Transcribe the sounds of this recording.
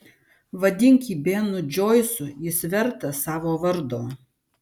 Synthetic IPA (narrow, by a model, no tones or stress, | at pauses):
ʋɐd̪ʲɪŋʲkʲiːbʲeːnʊd͡ʒʲoːjsʊjɪsʲʋʲɛɾt̪ɐsɑːʋoːʋɐɾd̪oː